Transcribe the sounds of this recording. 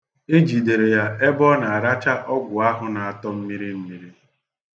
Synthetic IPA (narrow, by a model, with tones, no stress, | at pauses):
e˦d͡ʒi˨de˨ɾe˨ja˦e˦bɔ˦na˨a˨ɾa˦t͡ʃa˦ʔɔ˦ɡʷʊ˨a˦ɦʊ˦na˨a˨tɔ˦m̩˦mi˦ɾi˦m̩˦mi˦ɾi˦